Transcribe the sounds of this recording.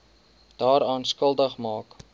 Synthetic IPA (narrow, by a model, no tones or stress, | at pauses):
d̥ɑːɾɑːnskəlˠdəχmɑːk